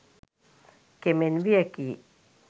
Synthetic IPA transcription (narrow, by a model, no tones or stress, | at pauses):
kemenʋiɛkiː